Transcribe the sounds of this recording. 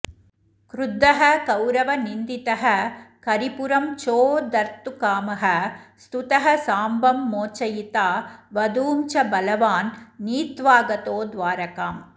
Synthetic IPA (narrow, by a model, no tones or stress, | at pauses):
kɾʊd̪ːɐɦɐkɐwɾɐʋɐnind̪it̪ɐɦɐkɐɾipʊɾɐmt͡ʃoːd̪ɐɾt̪ukaːmɐɦɐst̪ut̪ɐɦɐsaːmbɐmːoːt͡ʃːɐjit̪aːʋɐd̪uːmt͡ʃɐbɐlɐʋaːnːiːt̪ʋaːɡɐt̪oːd̪ʋaːɾɐkaːm